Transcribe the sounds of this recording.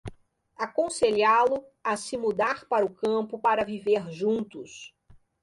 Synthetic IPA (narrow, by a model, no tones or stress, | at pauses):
akõseʎalʊɐsɪmud̪aɾpaɾʊkɐ̃pʊpaɾɐviveɾʒũnt̪ʊs